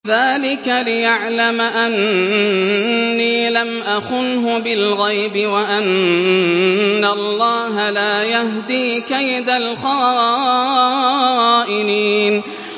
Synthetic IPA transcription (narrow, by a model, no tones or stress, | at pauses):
ðaːlɪkalɪjaʕlamaʔan | iːlamʔaxʊnɦʊbɪlɣajbɪwaʔan | alˤːɑːɦalaːjaɦd̪iːkajd̪alxɑː | ʔɪniːn